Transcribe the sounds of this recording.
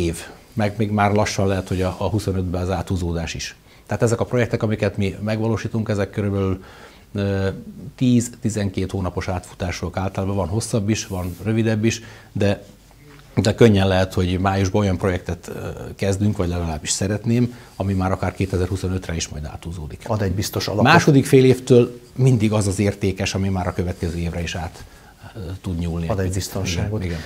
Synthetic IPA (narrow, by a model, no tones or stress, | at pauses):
eːv | mɛɡmeːɡmaːrlɒʃːɒnlɛɦɛt̪ho̞ɟɒːɦuso̞nød̪bɛɒzaːt̪uːzoːd̪aːʃiʃ | t̪ɛaːt̪ɛzɛkɒpro̞jɛkt̪ɛkɒmikɛt̪mimɛɡʋɒloːʃiːt̪uŋkɛzɛkːøɾybɛlyl | t̪iːzt̪izɛŋkeːt̪hoːnɒpo̞ʃaːt̪fu̥t̪aːʃuɒkaːlt̪ɒlaːbɒvɒnɦo̞sːɒbːiʃvɒnrø̞vid̪ɛbːiʃ | d̪ɛ | d̪ɛkøɲːɛnlɛɦɛt̪ho̞ɟmaːjuʒbɒo̞jɒmpro̞jɛkt̪ɛt̪kɛzd̪yŋkʋɒɟlɛɡɒlaːbːiʃsɛɾɛt̪neːm | ɒmimaːɾɒkaːrkeːt̪ɛzɛrhuso̞nøt̪rɛiʃmɒ̰jd̪a̰ːt̪uzoːd̪ikɒd̪ɛbist̪oʃɒ̰lɒmaːʃo̞d̪ikfeːleːft̪øːlmind̪iɡɒzɒzeːrt̪eːkɛʃɒmimaːɾɒkøvɛt̪kɛzøːeːvrɛiʃaːt̪ː | ud̪ɲuːlnid̪ɛbist̪oniʃɡaːɡoiɡɛn